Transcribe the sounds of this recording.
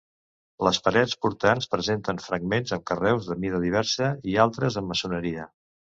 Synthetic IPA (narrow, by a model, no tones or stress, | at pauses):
ləspəɾɛt͡spuɾt̪anspɾəzent̪ənfɾəɡmenzəmkərɛwzðəmiðəðiβ̞ɛɾsəialˠt̪ɾəzəmːəsunəɾiə